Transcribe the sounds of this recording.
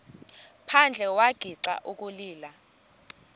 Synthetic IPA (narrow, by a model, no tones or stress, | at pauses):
pʰand͡ɮʱɛwaɡ̥ʱiǀa̰ʔuk̬ʼuliːla